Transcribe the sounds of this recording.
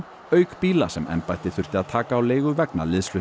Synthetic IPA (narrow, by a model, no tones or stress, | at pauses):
œːɥkpiːlasɛmʔɛ̰mpajt̪ɪθʏr̥t̪ɪaðt̪ʰaːkaːwleːjɣʏvɛkna̰lɪðslʏ